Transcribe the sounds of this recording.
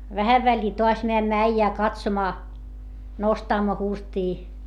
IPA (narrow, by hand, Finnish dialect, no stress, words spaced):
ʋæhæʋ ʋælʲːiː toɑs meæmːæ æijæː kɑtsomɑː nostɑmːo hurstiː